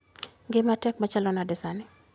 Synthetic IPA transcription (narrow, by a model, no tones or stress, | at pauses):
ɡɪmatɛk̚mat͡ʃalɔnadɪsanɪ